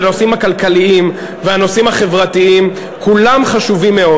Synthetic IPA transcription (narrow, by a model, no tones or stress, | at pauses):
no̞simakalkaliim | veano̞simhaχe̞vʁat̪iim | kulamχaʃuvimːe̞o̞